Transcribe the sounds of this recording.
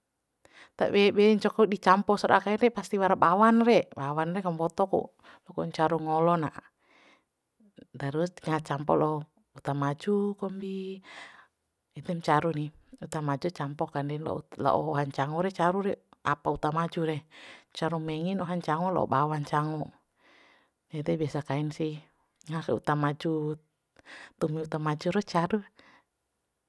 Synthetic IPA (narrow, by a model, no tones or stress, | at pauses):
t̪a̰bɛbɛɲt͡ʃɔkɔdit͡ʃampɔsɔɾakaiɾɛpast̪iwaɾabawanrɛbawanrɛkambɔt̪ɔkṵ | lɔkɔɲt͡ʃaɾuŋɔlɔnaʔ | d̪aɾusŋat͡ʃampɔlɔ | ut̪amad͡ʒukɔmbi | it̪ɛmt͡ʃaɾuniut̪amad͡ʒut͡ʃampɔkandɛnlɔ̰la̰ʔɔ̰ɔɦaɲt͡ʃaŋɔɾɛt͡ʃaɾuɾɛapaut̪amad͡ʒuɾɛt͡ʃaɾumɛŋinɔɦaɲt͡ʃaŋɔlɔ̰ɔ̰bawaɲt͡ʃaŋɔ | jat̪ɛbiasakainsi | ŋasɛṵt̪amad͡ʒu | t̪umiut̪amad͡ʒuɾɛt͡ʃaɾu